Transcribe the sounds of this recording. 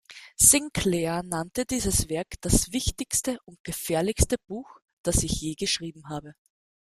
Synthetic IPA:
sɪŋkʰlɛɐnantədiːzəsv̥ɛɐkd̥asv̥ɪçtɪçstəʔʊnt̚ɡ̥əfɛːɐlɪçstəb̥uːx | d̥asɪçjeːɡəʃʁ̥iːbm̩ɦaːbə

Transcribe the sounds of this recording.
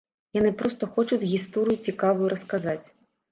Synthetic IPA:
jɔnɪpɾɔst̪ɔxɔt͡ʃʊd̪ʲɣʲist̪ɔɾʲɪjʊt͡sʲikɑʋʊjʊɾʔɔskazɑtʲ

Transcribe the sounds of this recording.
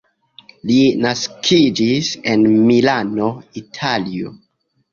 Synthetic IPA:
linaskʰid͡ʒise̞nmilano̞itʰalio̰

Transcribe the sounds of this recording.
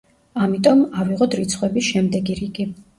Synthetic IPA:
amit̪ʼɔmaviʁɔd̪ɾit̪sʰχwɛbiʃɛmd̪ɛɡiɾiɡi

